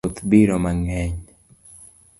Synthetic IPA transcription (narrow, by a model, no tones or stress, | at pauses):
ot̪biɾɔmaŋɛɲ